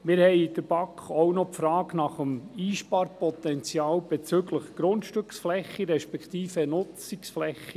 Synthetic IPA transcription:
mɪɾhɛɪd̥əɾbɑkχownɔpfɾɑːɡnɑχəmiːʃpɑːɾpɔt̪ɛnt͡sjɑːlb̥ɛt͡søɡləχɡ̥ɾʊnt̪ʃtʏksflɛχːiɾɛʃpɛkt̪iːfənʊt͡siksflɛxːi

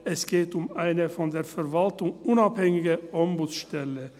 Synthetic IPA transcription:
ɛsɡ̥eːtʊmaɪnəfɔndeːɐfɛɐvaltʊŋʔʊnaphɛŋɪɡəʔɔmbuːt͡sʃtɛlə

